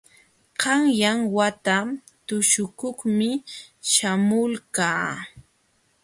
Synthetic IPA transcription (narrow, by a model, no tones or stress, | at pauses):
qɑŋjaŋwat̪a | t̪ʊʃʊkʊχmɪʃamʊlkaː